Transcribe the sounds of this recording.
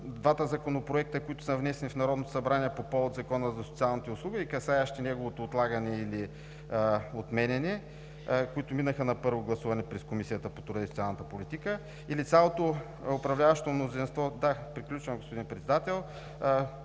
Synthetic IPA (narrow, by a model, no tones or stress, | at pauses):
d̪vat̪əzɐkonopɾoɛk̚t̪əkoit̪ʊ̥səvnɛsɛnifnɐɾɔd̪not̪o̥sɐbɾanʲiɛpopɔot̪zɐkɔnəzɐso̥t̪sialˠnit̪ɛʊslˠuɡəikɐsajɐʃt̪inɛɡovot̪oːt̪lˠaɡɐnɛili | ot̪mɛnʲɛnɛ | koit̪ʊminəxənɐpɤɾvoɡlˠɐsuvɐnɛpɾɛskomisijət̪əpot̪ʊɾɐisot̪sialˠnət̪əpolit̪ikə | ilit̪sʲalˠot̪o | ʊpɾɐvlʲavɐʃt̪omnozinst̪vɔd̪apɾiklʲut͡ʃvɐmɡospod̪inpɾɛt̪sɛd̪at̪ɛlˠ